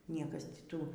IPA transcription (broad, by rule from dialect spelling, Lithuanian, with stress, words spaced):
ˈnʲiɛkɐs tʲɪ ˈtuː